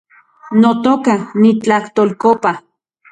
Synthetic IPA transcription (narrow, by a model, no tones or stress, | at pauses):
not̪okanit͡ɬaht̪olkopa